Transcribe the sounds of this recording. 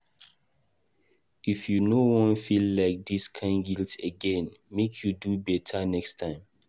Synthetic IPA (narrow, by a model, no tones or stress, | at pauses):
ifjunowɔ̃nfilːaɪk̚diskʰãɪ̃nɡiltəɡɛ̃nmekʰjudubɛtʰanɛkstʰãɪ̃m